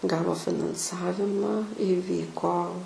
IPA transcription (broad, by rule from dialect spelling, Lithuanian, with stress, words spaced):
ˈɡɑːʋoː fʲɪnɐnˈsɑːʋʲɪmɐ ɪˈʋʲiːkoː